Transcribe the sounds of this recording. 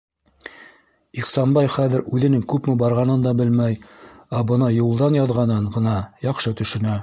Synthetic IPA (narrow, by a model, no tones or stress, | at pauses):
iqsɑnbɑjχæðɘɾʉðɘ̆nɘŋkʉpmɘbɑɾʁɑnɤnd̪ɑbɘlmæjæbɤ̆nɑjulˠd̪ɑnjɑðʁɑnɤɴɢɤ̆nɑjɑqʃɤt̪ɵ̆ʃɘ̆næ